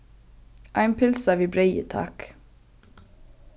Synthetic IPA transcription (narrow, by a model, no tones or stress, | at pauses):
ʔæɪnpʰɪlsɑʋiːbɾeɪə̰t̪ʰɑ̰ːk